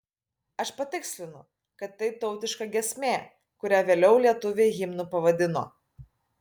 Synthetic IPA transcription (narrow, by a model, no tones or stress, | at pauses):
ɐʃpɐt̪ʲɪksʲlʲɪnʊ | kɐt̪ːɐɪt̪ɒʊt̪ʲɪʃkɐɡʲɛsʲmʲeː | kʊɾʲæːʋʲeːlʲɛʊlʲiɛt̪ʊʋʲeːɣʲɪmnʊpɐʋɐd̪ʲɪno̰ː